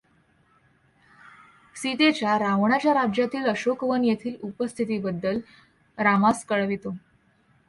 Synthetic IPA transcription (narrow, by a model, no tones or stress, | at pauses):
sit̪et͡ɕjaɾaʋɳ̃at͡ɕjaɾad͡ʑjat̪iːləɕokʋənjet̪ʰiːlupəst̪ʰit̪̬iːbəd̪ːəl | ɾamaskəɭʋit̪o